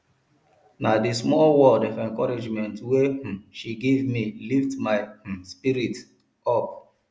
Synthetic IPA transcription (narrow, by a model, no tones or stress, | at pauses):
nadismɔlwɔldɔfɛ̃ŋkɔɹid͡ʒmɛ̃ntweʃiɡevmiliftmaɪspiɾit | ɔp̚